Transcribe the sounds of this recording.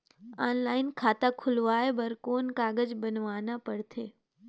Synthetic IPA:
aːnlaːɪnkʰaːt̪akʰʊlʋaːebɐɾkoːnkaːɡəd͡ʒbənʋaːnapəɽt̪ʰeː

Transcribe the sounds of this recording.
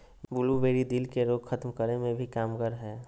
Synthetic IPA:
bʊlubeːɾid̪ɪlkeɾoːɡxʰət̪mkəɾemẽbʱikaːmɡəɾɦɛː

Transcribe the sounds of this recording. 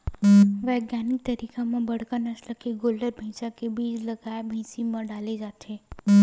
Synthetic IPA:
ʋɛɡnanik̚t̪əɾikamãbəɽ̤kanəsləkeɡoləɾbʱə̃sakebid͡ʒləɡajbʱɛ̃simãɖaled͡ʒat̪ʰe

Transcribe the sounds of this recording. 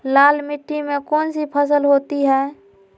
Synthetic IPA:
laːlmɪʈːimẽkɔːnsipʰəsəlɦoːt̪iɦɛː

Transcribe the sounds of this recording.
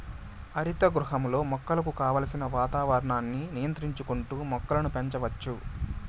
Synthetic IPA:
ɐɾit̪ɐɡɾuɦɐmlo̞ːmɔkːɐlɐkukaːʋaːlɐsinɐʋaːt̪aːʋɐɾɐɳaːnːinijɐnt̪ɾiɲt͡ʃukuɳʈuːmɔkːɐlɐnupeɲt͡ʃɐʋɐt͡ʃːu

